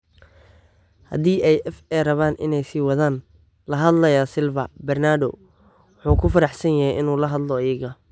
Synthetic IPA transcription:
hɐ̰d̪iːʔɛjʔɛfɛrɐβaːnɪ̰nɛjsiːwɑðaːn | lɐɦɐd̪lɐjaːsɪlvɐbɛrnaːdɔ̰ | wʊħuːkʰʊfɐɾɑħsɐnjɐhɛjɪnuːlɐɦɐd̪lɔɪjɐɣɐ

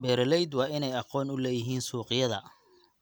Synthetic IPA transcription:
bɛːɾlɛjd̪wɑːʔɪnɛjɑqɔːnʊlɛːjɪɦiːnsuːqɪjɐðɐ̰

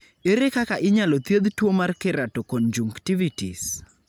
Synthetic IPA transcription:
eɾekakaʔɪɲalot̪jed̪twomarkɪɾatɔkɔnd͡ʒuŋktivitḭs

